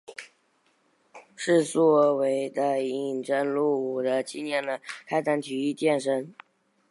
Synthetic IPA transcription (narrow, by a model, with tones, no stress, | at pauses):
ʂɻ̩˥˧t͡swɔ˥˩we˧˥ɪd̪ə˧i˨˩nʈ͡ʂə˥nlu˥˩u˨˩d̪ə˦t͡ɕi˥˧njɛ˥˩nd̪ə˩kʰa˥ɪt̪a˥nt̪ʰy˧˥i˥˧t̪jɛ˥˩nʂə˥ŋ